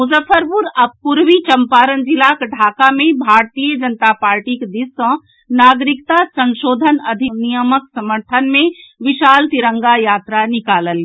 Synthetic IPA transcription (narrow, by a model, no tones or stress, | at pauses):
muzəpʰəɾpuɾɐb̚kuɾʋit͡ʃəmpaːɾənd͡ʒilakɖʱaːkamẽbʱaːɾt̪ijəd͡ʒənt̪apaːɾʈikd̪isə̃ | naːɡɾɪkt̪asə̃nʃoːd̪ʱənɐd̪ʱinijəməksɐməɾt̪ʰənmẽʋiʃaːlt̪iɾə̃ŋɡajaːt̪ɾanikaːləli